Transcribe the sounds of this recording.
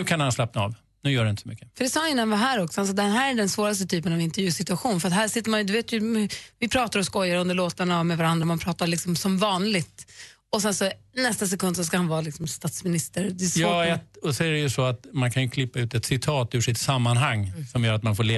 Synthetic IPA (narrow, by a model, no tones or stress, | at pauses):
ʉ̟ːkʰanhanslap̚na̰ːv | nʉ̟ːjœːɖɛnɪnt̪əsɔmʏkːəfœɖɛsɑːnɪnːhanvaɦæːɾɔksɔals̬ɔd̪ɛnɦæːɾæɖɛnsvoːɾast̪ət̪ʰyːpənɑːvɪnt̪əɾvjʉ̟ːsɪt̪ɵaɧuːnfœɾat̪hæːʂɪt̪ːɾmanjd̪ɵveːt̪jɵvɪpʰɾɑːt̪aɾɔskɔjːaɾɵnd̪əɭoːt̪anaːvmɛvaɾand̪ɾaɔmanpʰɾɑːt̪aɾɭlɪksɔmsɔmvɑːnlɪɡt̪ | ɔsɛnsɔnɛst̪as̬ɛkɵnd̪sɔskahanvɑːlɪksɔmst̪ɑːt̪smɪnɪst̪əɾd̪ɛsːɛt̪ɔsɔæɾɛjɵsɔat̪mankʰanjɵkʰlɪpːaʉ̟ːt̪ɛt̪sɪt̪ʰɑːt̪ʉʂɪt̪samːanɦaŋːsɔmjœːɾat̪̚manfoːɭeː